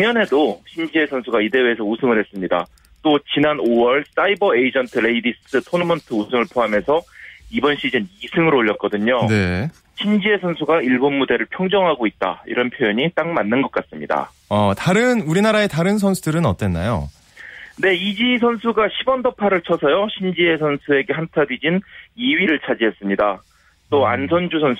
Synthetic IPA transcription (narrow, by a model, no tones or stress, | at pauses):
ŋʌnɦe̞doɕʰind͡ʑie̞sʰʌnsʰuɡaide̞weːsʰʌusʰɯŋɯɭɦe̞s͈ɯmɲida̰ | t͈ot͡ɕinanowʌɭs͈aibʌeid͡ʑʌntʰɯɾe̞idiss͈ɯtʰonʌmʌntʰɯusʰɯŋɯɭpʰoɦame̞sʰʌibʌnɕʰid͡ʑenisʰɯŋɯɾoʎːʌt̚k͈ʌdɯɲone̞ | ɕʰind͡ʑie̞sʰʌnsʰuɡaiɭbonmude̞ɾɯɭpʰjʌŋd͡ʑʌŋɦaɡoit̚t͈a̰ḭɾʌnpʰjojʌɲit͈aŋmanːɯnɡʌk͈as͈ɯmɲida̰ | ʌtaɾɯnuɾinaɾae̞taɾɯnsʰʌnsʰudɯɾɯnʌ̰t͈we̞nːa̰jo̰ | ne̞id͡ʑisʰʌnsʰuɡaɕʰibʌndʌpʰaɾɯɭt͡ɕʰʌsʰʌjoɕʰind͡ʑie̞sʰʌnsʰue̞ɡe̞ɦantʰadɥid͡ʑiniɥiɾɯɭt͡ɕʰad͡ʑiɦes͈ɯmɲida | t͈oa̰nsʰʌnd͡ʑusʰʌn